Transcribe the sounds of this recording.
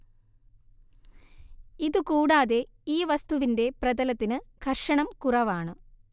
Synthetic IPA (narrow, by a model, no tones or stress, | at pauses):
iðukuːɽaːðe̞ | iːʋɐst̪uʋinde̞prɐðɐlɐt̪ːinɨkʰɐrʂɐɳɐmkurɐʋaːɳɨ